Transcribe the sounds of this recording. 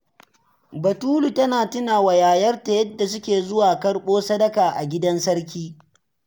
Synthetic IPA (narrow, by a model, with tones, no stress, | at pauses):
bɐ˨tuː˦lu˨tɐ˦naː˨tɪ˦na˨wɐ˨jaː˨jɐ˦rta˨jɐ˦dːa˨sʊ˦kʲeː˨zʊ˦waː˨kɐ˦rɓoː˦sɐ˦dɐ˦kaː˨ʔa˨ɡʲɪ˦dɐ˦nsɐ˦rk̬ʲiː˦